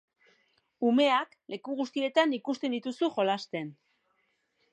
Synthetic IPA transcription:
ume̞ak | le̞kuɣust̪ie̞t̪anikust̪e̞nd̪it̪usuxo̞last̪e̞n

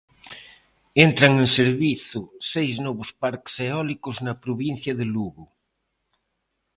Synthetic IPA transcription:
ent̪ɾaŋenseɾβiθʊsejznɔβospaɾkseɔlikoznɐpɾoβin̟θjɐðeluɣu

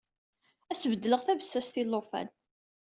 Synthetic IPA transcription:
æsəvəd̪ːələʁθævəsːæst̪ilːofæ̰n

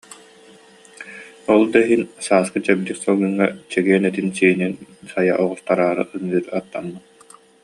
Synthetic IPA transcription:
ɔlˠd̪aɦinsaːskɯt͡ɕɛb̚d̪iksɔlˠɡɯŋːat͡ɕɛɡiɛnɛt̪insiːninsajaʔɔʁɔst̪aɾaːɾɯ̰ʔɯmɯːɾat̪ːanːɯ

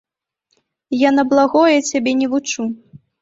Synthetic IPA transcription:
janɐblˠaɣɔjɛt͡sʲabʲɛnʲɛvut͡ʂu

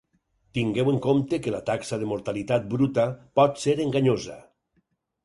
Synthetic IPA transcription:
t̪iŋɡeweŋkomt̪ekela̰t̪aksaðemoɾt̪alit̪at̪̚bɾut̪apɔt̪seɾeŋɡaɲoza̰

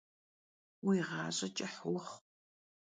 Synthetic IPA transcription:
wijʁɑːɕʼɐt͡ʃʼɐħwʊχ

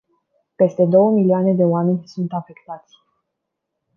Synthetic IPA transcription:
pe̞st̪e̞d̪o̞wəmilioane̞d̪e̞oame̞nʲsunt̪afe̞kt̪at̪sʲ

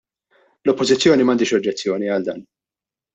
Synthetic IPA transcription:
lɔpːɔzɪt͡sːjɔːnimɐnd̪iːʃɔd͡ʒːɛt͡sːjɔːniɐld̪ɐ̰ːn

